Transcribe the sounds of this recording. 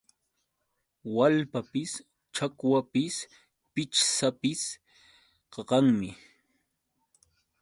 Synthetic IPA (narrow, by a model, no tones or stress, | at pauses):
walpapɪs | t͡ʃakwapɪs | pɪt͡ʃsapɪs | qɑqɑŋmɪ